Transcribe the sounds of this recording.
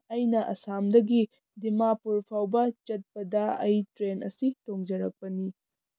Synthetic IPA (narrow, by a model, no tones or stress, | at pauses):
ɐjnɐʔɐ̰samdɐɡi | dimapuɾpʰawbɐt͡ʃɐt̚pɐdɐɐjtɾenʔɐsitoŋd͡ʒɐɾɐk̚pɐni